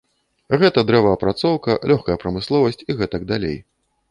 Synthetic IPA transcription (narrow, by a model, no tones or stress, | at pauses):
ɣɛt̪ɐd̪ɾɛvɐɐpɾat̪sɔwkɐlʲɔxkɐjɐpɾɐmɨslˠɔvɐsʲt͡sʲiɣɛt̪ɐɡ̚d̪alʲḛj